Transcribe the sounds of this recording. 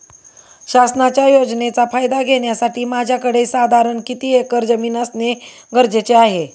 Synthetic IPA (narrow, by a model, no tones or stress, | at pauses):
ɕasnat͡ɕjajod͡ʑnet͡safajd̪aɡʱeɽ̃jasaʈiːmad͡ʑʱjakəɽesad̪ʱaɾəɳkit̪iːekəɾd͡zəmiːnasne | ɡəɾd͡ʑet͡seaɦe